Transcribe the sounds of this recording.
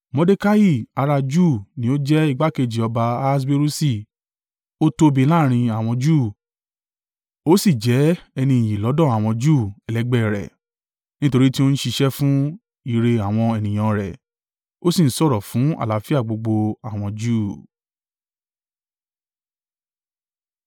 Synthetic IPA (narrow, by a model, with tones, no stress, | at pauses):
mɔ̃˧de˦ka˦ji˦˨a˧ɾa˧d͡ʒuː˦˨nĩ˨˦o˦d͡ʒɛ˦i˦˧ɡ͡ba˦ke˧d͡ʒi˨ɔ˧ba˧a˦s̬be˦ɾu˦si˦˨ | o˦to˧bi˧˦la˦˨ɾ̃ĩ˧a˨w̃ɔ̃˧d͡ʒuː˦˨ | o˦si˦˨d͡ʒɛ˨˦ɛ˧nĩ˧ĩ˨j̃ĩ˨lɔ˨˦dɔ̃˦˨a˨w̃ɔ̃˧d͡ʒuː˦˨ɛ˨lɛ˨˦ɡ͡bɛ˦˨ɾɛ̰˨ | nĩ˦to˧ɾi˦ti˦o˦n̩˦ʃi˧ʃɛ˦fũ˦ | i˦˨ɾe˧a˨w̃ɔ̃˧ɛ˨nĩ˨j̃ɔ̃˧ɾɛ̰˨ | o˦sĩ˦˨n̩˦sɔ˦˨ɾɔ˨fũ˨˦a̰˨la˨˦fi˦a˦˨ɡ͡bo˧ɡ͡bo˧a˨w̃ɔ̃˧d͡ʒuː˦˨